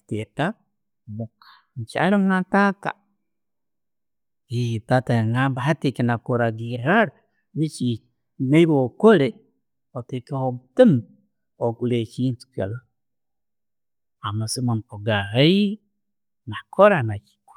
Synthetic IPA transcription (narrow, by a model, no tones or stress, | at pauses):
teta | mokḁnt͡ʃa̰ɾoŋatata̰ | iitataŋambahatekenakoɾaɡiɾaɾ | βit͡ʃi | neiβokoɾe | otekehotim | okulet͡ʃintu̥ka̰lo | amasimampoɡaɣai | nakʰoɾanat͡ʃi̥k